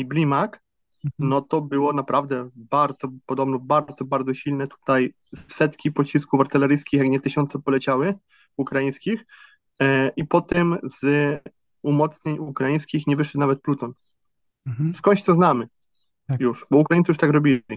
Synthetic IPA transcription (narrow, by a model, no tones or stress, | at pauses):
iblʲimak | nɔt̪ɔbɘwɔnapɾʔavd̪ɛbaɾd̪zɔpɔd̪ɔbnɔbaɾd̪zɔbaɾd̪zɔɕilnɛt̪u̥t̪aj | sːɛt̪kʲipɔt͡ɕiskuvaɾt̪ɛlɛɾɘjskʲixjakɲɛt̪ɘɕɔnt̪sɛpɔlɛt͡ɕawɘ | ukɾajij̃skʲix | ipɔt̪ɛmz̥ | umɔt̪sɲeɲukɾajĩj̃skʲixɲɛvɘʂ̬ɛt̪navɛt̪̚plut̪ɔn | skɔɲt͡ɕt̪sɔznamɘ | juʂbɔukɾajint̪sjuʂt̪akɾɔbʲilʲi